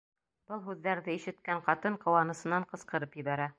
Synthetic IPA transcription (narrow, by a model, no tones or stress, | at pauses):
b̥ɤlˠɦʉðːæɾðɘiʃɘ̆t̪̚kæɴqɑt̪ɤɴqɤ̆wɑnɤ̆sɤ̆nɑɴqɤ̆sqɤ̆ɾɤpjɘ̆βæɾæ